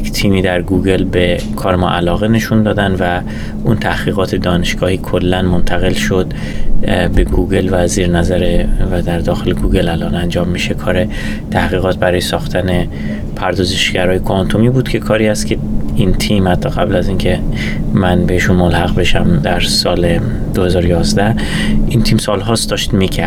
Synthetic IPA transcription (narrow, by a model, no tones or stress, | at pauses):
jjekt̪ʰiːmiːd̪æɾɡuːɡe̞lbe̞ | kʰɒːɾemɒ̰ʔælɒːɣene̞ʃund̪ɒːd̪ænd̪væ | ʔunt̪ʰæhɣ̥iːɣɒːt̪ʰe̞d̪ɒːne̞ʃɡ̥ɒːhiːkʰolːænmont̪ʰæɣe̞lʃod̪̥ | be̞ɡuːɡe̞lvæziːɾnæzæɾevæd̪æɾd̪ɒːxe̞leɡuːɡe̞lælʔɒːnænd͡ʒɒːmːiʃe̞kʰɒːɾe̞ | t̪ʰæhɣ̥iːɣɒːt̪̚bæɾɒːje̞sɒːxt̪ʰæne̞ | pʰæɾd̪ɒːzeʃɡæɾɒːjekʰont̪ʰomiːbuːd̪cʰe̞kʰɒːɾiːæst̪kʰʲe̞ʔint̪ʰiːmhæt̪ʰːɒːɣæblæziːncʰe̞ | mænbe̞heʃunmolhæɣbe̞ʃæmd̪æɾsɒːle | d̪̥ohezɒːɾojɒːzd̪æh | ʔint̪ʰiːmsɒːlɦɒːst̪d̪ɒːʃt̪miːcʰæɾ̥